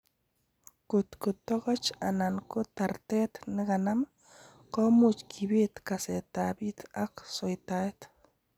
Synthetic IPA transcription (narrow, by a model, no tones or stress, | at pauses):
kʊt̪kʊt̪ɔkɔt͡ʃa̰nankʊt̪art̪ɛt̪nɪkanam | kɔmut͡ʃkʰibit̪kasɛt̪abit̪aksɔjt̪aɪt̪